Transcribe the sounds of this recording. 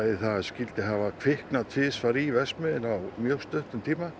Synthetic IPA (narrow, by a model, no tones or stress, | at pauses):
ɪθaðscɪlt̪ɪɦavakʰvɪhknat̪ʰɪðsfaɾivɛsmɪðɪnawmjœɣst̪œht̪ʏmt̪ʰiːma